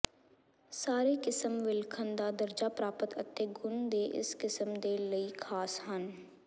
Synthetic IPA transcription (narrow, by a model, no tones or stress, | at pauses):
saːɾekɪsəmʋɪlkʰə̃nd̪ad̪əɾd͡ʒapɾaːpət̪ə̰t̪ːeɡʊnd̪eːʔɪ̰skɪsəmd̪eːləikʰaːsɦɐn